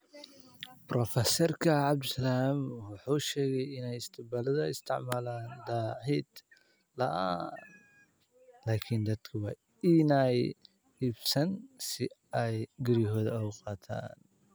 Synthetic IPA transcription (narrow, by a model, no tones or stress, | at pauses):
bɾɔfɛsɛrkʰɐʕɑbd̪ʊsɐlaːmwʊħuːʃɛːɣɛjɪnɛjɪst̪ʰɪbalɐðɐɪst̪ʰɪʕmaːlaːnd̪ahɛd̪ | lɐʔa | laːkʰɪnd̪ɐd̪kʰɐwɐ | ɪnaj | hibsɐnsɪɐjɡɪɾɪɦɔːðɐɐqʼɑːt̪ʰa̰ːn